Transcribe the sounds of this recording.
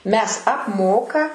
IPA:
ˈmʲɛs ɐpˈmoːkɐ

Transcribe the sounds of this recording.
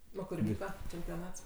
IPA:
ˈoː kʊr ˈʋʲiːkɐ t͡ʃʲɛmʲpʲoːˈnɐts

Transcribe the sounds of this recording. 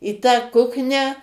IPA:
iː tɑː ˈkʊknʲæː

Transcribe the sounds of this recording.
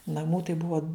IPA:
nɐˈmuː tɐɪ ˈbʊɐ

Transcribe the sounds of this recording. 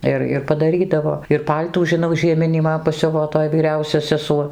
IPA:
ˈɪr ɪr pɐdɐˈrʲiːdɐʋoː ɪr ˈpɐlʲtuː ʒʲɪˈnɐʊ ʒʲiɛˈmʲɪnʲiː ˈmɐn pɐˈsʲʊʋoː ˈtoːj ʋʲiːˈrʲɛʊsʲɛ sʲɛˈsuɔ

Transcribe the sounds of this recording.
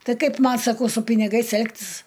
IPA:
ˈtɐɪ ˈkɐɪp ˈmɐn sɐˈkɐʊ sʊ pʲɪnʲɪˈɡɐɪs ˈɛlˠktʲɪs

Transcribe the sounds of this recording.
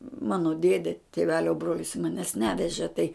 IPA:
ˈmɑːnoː ˈdʲeːdʲeː tʲeːˈʋʲæːlʲoː ˈbroːlʲɪs mɐˈnʲæːs ˈnʲæːʋʲɛʒʲeː tɐɪ

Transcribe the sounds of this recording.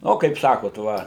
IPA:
ˈnoː kɐɪp ˈsɑːkoːt ˈʋɐ

